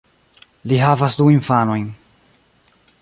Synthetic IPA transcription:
liɦavasduinfano̞jn

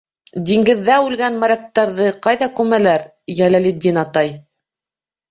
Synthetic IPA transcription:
d̪iŋɡɘ̆ðːæʉlɡænmæɾʲæk̚t̪ːɑɾðɤqɑjðɑkʉmælæɾ | jælælid̪inɑt̪ɑj

